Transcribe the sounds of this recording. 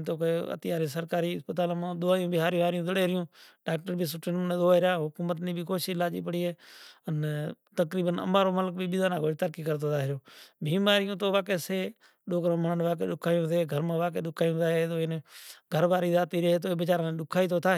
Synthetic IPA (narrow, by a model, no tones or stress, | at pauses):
t̪oːkeːə̰t̪ɪjaːɾĩːsəɾkaːɾiːɪ̰spət̪aːlmãːd̪ʊaːjũːbiːɦaːɾj̃ːɦaːɾɪjũːzəɽeːɾɪjũːɖaːk̚ʈəɾbʱiːs̬ʊʈenːneːd̪oaːɪɾjaːɦʊkuːmət̪niːbʱiːkoːʃiɪlaːd͡ʒḭːpəɽiːɦeːən | t̪əkɾiːbənə̰maːɾoːmələkbibɪd̪aːnãːkoːt̪əɾkiːkəɾt̪ʰoːt̪ʰaːɦɪɾjoːbʱiːmaːɾɪjũːt̪oːʋaːkeːseː | ɗoːkɾõːməɳənʋaːk̬ḛːɗʊkʰaːijõːt̪eːɡʱəɾmãːʋaːkeːɗʊkʰːaːjũːt̪ʰaːɦet̪oːɪnɡʱəɾʋaːɾiːzaːt̪iːɾəɦeːt̪oːbɪt͡ʃaːɾãːnẽːɗʊkʰaːiːt̪ʰoːt̪ʰaːɦː